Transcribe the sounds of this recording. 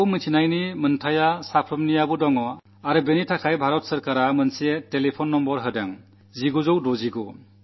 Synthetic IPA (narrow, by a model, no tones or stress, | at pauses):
wmitʰinajnimɯntʰajasapʰɾɯmnijabudɔŋɔ | aɾɯbenitʰakʰajbʱaɾɔt̚sɯɾkaɾamɯnsetelepʰɔnːɔmbɔɾɦɯdaŋ | ziɡuzɔwdɔziɡɔ